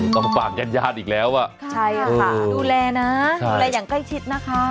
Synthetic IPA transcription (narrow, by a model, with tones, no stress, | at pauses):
t̪ɔ˥˧˩ŋpaː˨˩k̚ja˧njaː˥˩t̪̚ʔiː˨˩k̚lɛː˨˦˥wʔa˨˩ʔt͡ɕʰa˥˩jaː˧a˧˩duː˧lɛː˧naː˦˥˧lɛː˧jaː˨˩ŋkla˥˩jt͡ɕʰi˦˥t̪̚na˦˥kʰa˦˥